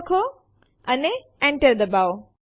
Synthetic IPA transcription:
kʰo | ɐne | ɛ̃ɳʈəɾd̪əbaw

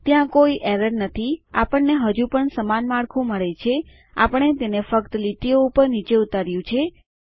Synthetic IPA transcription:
t̪jãkoiʔɛɾəɾnət̪ʰiapəɳːeɦəd͡ʒũpəɳsəmanmãɭkʰũməɭet͡ʃʰe | a̰pəɳ̃et̪enefəkt̪əliʈijoupəɾnit͡ʃeut̪aɾjũt͡ʃʰe

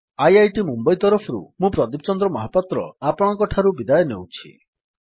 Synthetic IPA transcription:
ajajʈimumbɔjt̪ɔɾɔpʰɔɾṵmũpɾɔd̪ipt͡ʃɔnd̪ɾɔmɔɦapːat̪ɾɔ̰apɔɽ̃ɔkɔʈʰaɾubid̪ajɔnḛwt͡ʃʰḭ

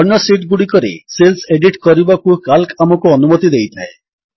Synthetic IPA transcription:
ɔɾɳːɔsiʈɡuɽikɔɾḛselseɖiʈkɔɾibakukalkamɔkuɔnumɔt̪id̪ejt̪ʰae

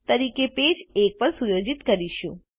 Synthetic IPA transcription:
t̪əɾikeped͡ʒek̚pəɾsujod͡ʒit̪kəɾiʃũ

